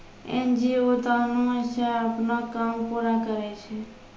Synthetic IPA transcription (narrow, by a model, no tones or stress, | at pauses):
ḛnd͡ʒiot̪aːnũəʃaapnakampuɾakəɾet͡ʃʰe